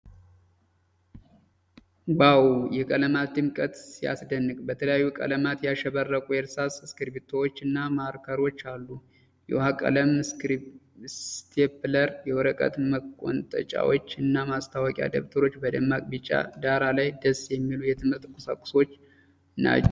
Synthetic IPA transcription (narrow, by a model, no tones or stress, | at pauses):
wawjɛkʼələmat̪ːɨmkʼət̪sija̰sd̪ənːɨɡbət̪ʰələjajːukʼə̰ləmat̪jaʃɛβərːəkʼujɛɾsasskɨɾbit̪ʰːowot͡ʃːɨnːamaɾkʰəɾo̞t͡ʃːalːu | jɛ̰hakʼə̰ləm | st̪ʰepləɾjɛwɔɾəkʼə̰t̪məkʼːo̰nt̪ʼə̰t͡ʃʼa̰wot͡ʃːɨnːamast̪ʰawəkʼja̰d̪əβt̪ʰəɾo̞t͡ʃːbəd̪əmːakʼbɨt͡ʃʼːa̰d̪aɾalajd̪əsjɛmːilujɛt̪ʰɨmhɨɾt̪ʼkʰʼʊsa̰kʼʊ̥so̞t͡ʃː | na̰t͡ʃː